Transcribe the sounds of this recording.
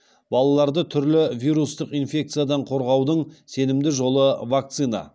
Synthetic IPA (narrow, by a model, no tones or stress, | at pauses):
bɑlˠɑlˠɑɾd̪ət̪ʰʏɾlɪvʲijɾust̪əqijnfʲe̞k̚t̪sɨjad̪ɑɴqʰo̞ɾʁɑwd̪əɴse̞nɪmd̪ɪʒo̞lˠəvak̚t̪sɨnɑ̰